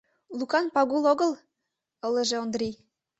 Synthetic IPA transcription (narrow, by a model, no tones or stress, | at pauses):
lukɑnpɑɣuloɣɤ̆l | ɤlə̆ʒeond̪rʲij